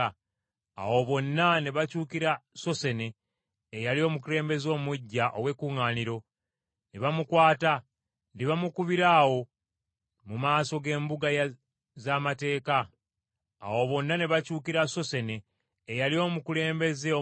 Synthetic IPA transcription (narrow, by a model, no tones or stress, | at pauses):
a̰wo̞βo̞nːane̞βacuːkiɾaso̞se̞ne̞ː | jalio̞ːmukule̞ːmbe̞zo̞ːmuɟːaʔo̰we̞kuːŋaːniɾo̞ | niβamukwaːta | ndiβamukuβiɾaːwo̞ | mumaːso̞ɡe̞ːmbuɡaj | zamate̞ːka̰ː | wo̞βo̞nːane̞βacuːkiɾaso̞se̞ne̞ː | jalio̞ːmukule̞ːmbe̞zeo